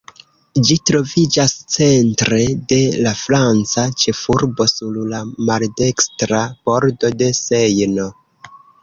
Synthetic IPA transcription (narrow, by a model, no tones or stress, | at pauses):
d͡ʒitɾo̞vid͡ʒast͡se̞ntɾe̞de̞lafɾant͡sat͡ʃe̞fuɾbo̞suɾlamalde̞kstɾab̥o̞ɾdo̞de̞se̞jno̞